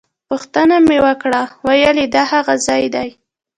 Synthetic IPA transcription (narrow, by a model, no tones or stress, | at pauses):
pʊxt̪ənamewəkɽawajəled̪ɑhaɣazɑjd̪aj